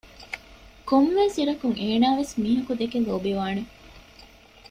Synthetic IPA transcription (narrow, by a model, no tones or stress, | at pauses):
komʋeːsiɾɐkuŋeːnaːʋesmiːɦɐkud̪ekeloːbiʋaːne